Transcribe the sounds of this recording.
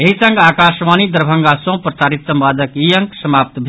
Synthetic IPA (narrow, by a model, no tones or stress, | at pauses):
eɦisɐŋɡaːkaːʃʋaːnid̪əɾbʱɐŋɡasõpɾɐsaːɾit̪sɐmpaːd̪əkijɐ̃ŋksɐmaːp̚t̪bʱ